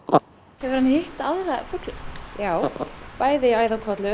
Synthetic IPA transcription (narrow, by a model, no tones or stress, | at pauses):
hɛvʏɾhanhɪht̪aðθafʏklʏjaːwpaːjðɪaːjðakʰvat̪lʏ